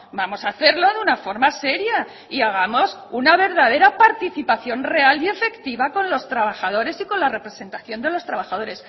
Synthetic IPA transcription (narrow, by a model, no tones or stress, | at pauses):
bamo̞saθe̞ɾlo̞ðeunafo̞ɾmase̞ɾja | iaɣ̞amo̞sunaβ̞e̞ɾðaðe̞ɾapaɾt̪iθipaθjo̞nre̞alie̞fe̞kt̪iβako̞nlo̞st̪ɾaβ̞axað̞o̞ɾe̞siko̞nlare̞pɾe̞se̞nt̪aθjo̞nd̪e̞lo̞st̪ɾaβaxaðo̞ɾe̞s